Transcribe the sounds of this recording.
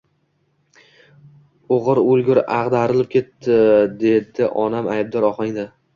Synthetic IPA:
oʁɨɾolˠɡʲʊɾɑʁd̪aɾɪlɪp̚kʲʰe̞t̪ːɪd̪e̞d̪ɪʔɒnamajb̚d̪ɒɾɒχɑŋd̪ɪ

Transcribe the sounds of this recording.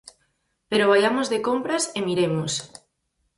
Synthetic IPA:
peɾoβ̞ajamozðekompɾasemiɾemos

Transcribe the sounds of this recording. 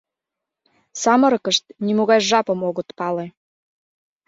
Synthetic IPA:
sɑmə̆ɾɤkəʃt̪̚nimoɣɑjʒɑpəmoɣə̆t̪pɑle

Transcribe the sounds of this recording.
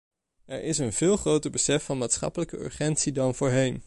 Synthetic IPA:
ɛɹʔɪsənvɪːlˠχrowtəɹbəsɛfɑnmaːtsχɑ̰pələkəø̰ɹχɛntsidɑnvʊːɹɦejn

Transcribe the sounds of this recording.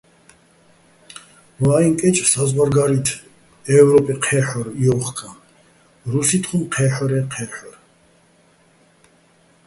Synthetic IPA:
vaiŋkʼɛt͡ʃʼsazʁaɾɡaɾit̪ʰ | ɛvɾɔpʼiqʰɛħɔɾiɔχkʰʼan | ɾusit̪ʰχumqʰɛːħɔɾɛqʰɛħɔɾ

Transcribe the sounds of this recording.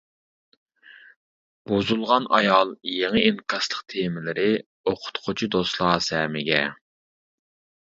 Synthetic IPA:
b̥ozulˠʁɑnʔɑjɑlˠjeŋɨinkʰʲɑslˠəqt̪ʰemɪlɪɾɪ | oqʰʊ̥t̪qʰʊt͡ʃʰid̪oslˠɑːsɛmɪɡʲɛ

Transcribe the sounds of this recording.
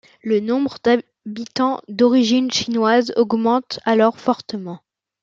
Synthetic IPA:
lənɔ̃bʁəd̪a | bit̪ɑ̃d̪ɔʁiʒinʃinwazɔɡmɑ̃t̪alɔʁfɔʁt̪əmɑ̃

